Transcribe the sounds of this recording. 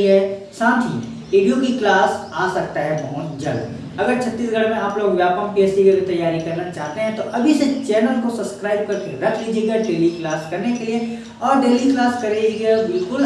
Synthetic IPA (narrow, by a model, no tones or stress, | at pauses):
ɦɛsãːt̪ʰḭ | iːɖijõkiklaːsaːsɐk̚t̪aɦɛbɐɦʊt̪d͡ʒɐ̰ɽ | ɐɡəɾt͡ʃʰɐt̪ːiːsɡʱɐɽ̤mẽaːploːɡʋjaːpə̃mkiɛsikeɐɡit̪ɐjːaːɾikɐɾnat͡ʃaːɦt̪eɦɛ̃t̪oʔɐbʱiset͡ʃɛːnəlkosɐbskɾaːɪb̚kɐɾkeɾɐkʰliːd͡ʒeɡaɖeːliklaːskɐɾnekelie | ɔːɾɖeːliklaːskɐɾed͡ʒiɡebɪlkʊl